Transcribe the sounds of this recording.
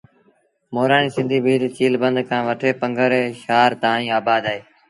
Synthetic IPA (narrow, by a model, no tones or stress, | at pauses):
moːɾaːniːsɪ̃nd̪ʱiːbʱiːɾt͡ʃiːlbənd̪kʰãːʋəʈʰeːpəŋɡʱəɾeːʃaːɾt̪aːnĩːaːbaːd̪aːeː